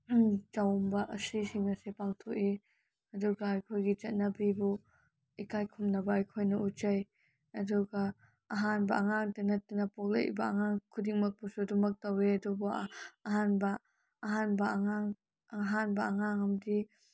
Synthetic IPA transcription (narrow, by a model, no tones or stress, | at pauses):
t͡ʃawmbɐʔɐsisiŋɐsepaŋtʰoki | ɐduɡɐːjkʰojɡit͡ʃɐt̚nɐbibu | ikajkʰumnɐbɐːjkʰojnɐutt͡ʃɐj | ɐduɡɐː | ɦanbɐʔɐŋaŋtanɐtinɐpok̚lḛbɐɐŋaŋkʰudiŋmɐk̚pusudumɐk̚tɐweɐdubuɦanbɐː | ɦanbɐŋaŋ | ɦanbɐɐŋaŋɐmdi